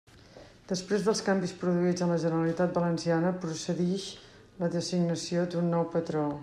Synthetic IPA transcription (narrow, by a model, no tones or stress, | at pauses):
d̪̥əspɾezðəlˠskambispɾuðuid͡zənləʒənəɾəlit̪at̪̚bələnsianəpɾusəðiʃ | ləðəsiɡnəsiod̪unːɔwpət̪ɾo